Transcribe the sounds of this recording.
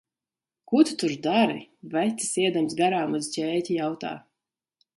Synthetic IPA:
kut̪u̥t̪uɾd̪aɾivæt̪si̥siɛd̪amsɡaɾaːmuzt͡ɕʲɛːt̪ʲijawt̪a̰ː

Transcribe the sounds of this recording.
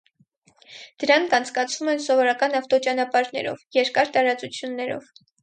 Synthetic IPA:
d̪̥əɾɑŋkʰɑnt͡sʰkɑt͡sʰvumɛnsɔvɔɾɑkɑnɑft̪ɔt͡ʃɑnɑpɑɾnɛ̰ɾɔ̰vjɛɾkɑɾt̪ɑɾɑt͡sut͡sʰjunːɛɾɔ̰v

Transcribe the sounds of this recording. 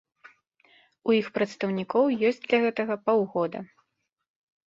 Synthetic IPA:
ujixpɾɐt̪st̪ɐwnʲikɔwjɔsʲt͡sʲd̪lʲɐɣɛt̪ɐɣɐpawɣɔd̪ɐ̰

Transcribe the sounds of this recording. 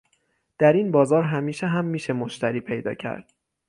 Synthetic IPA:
d̪̥æɾiːnbɒːzɒːɾɦæmiːʃeɦæmːiːʃemoʃt̪æɾiːpʰe̞jd̪ɒ̰ːcʰæ̰ɾd̪̥

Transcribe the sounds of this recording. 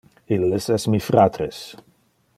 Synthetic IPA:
ilːəsɛsmifɾat̪ɾes

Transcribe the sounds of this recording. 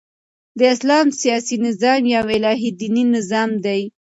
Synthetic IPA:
d̪əɪslɑmsijɑsinɪzɑmjawɪlɑɦid̪ininɪzɑmd̪aj

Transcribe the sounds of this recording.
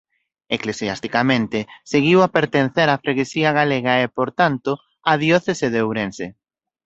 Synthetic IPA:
eklesiast̪ikamẽnt̪ɪseɣiwapeɾt̪en̟θɛɾafɾeɣesiɐɣaleɣɐepoɾt̪ant̪ʊ | aðjɔθeseðeowɾense

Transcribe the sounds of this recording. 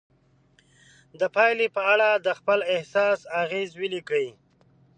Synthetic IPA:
d̪əpɑjlepəaɽad̪əxpəlɪhsɑːsaɣezwilikə

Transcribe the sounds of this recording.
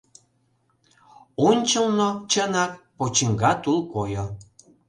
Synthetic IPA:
onʲt͡ɕəlnot͡ɕənɑk̚pot͡ɕəŋɡɑt̪ulkojo

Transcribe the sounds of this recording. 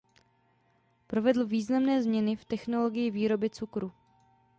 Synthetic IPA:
pɾo̞vɛdl̩viːznamnɛːzmɲɛnɪft̪ɛxno̞lo̞ɡɪjɪviːɾo̞bɪt͡sukɾu

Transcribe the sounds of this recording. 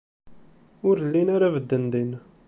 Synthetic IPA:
ʊɾlːinaɾavəd̪ːənd̪in

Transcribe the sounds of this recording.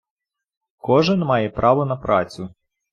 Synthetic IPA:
kɔʒɪnmɑjɛpɾʔɑʋɔnɐpɾʔɑ̰t͡sʲʊ

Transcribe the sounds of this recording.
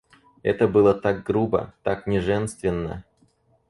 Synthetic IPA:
ɛ̰t̪əbɨlˠət̪aɡ̚ɡɾubə̰t̪aknʲɪʐɛnst̪vʲɪnːə̰

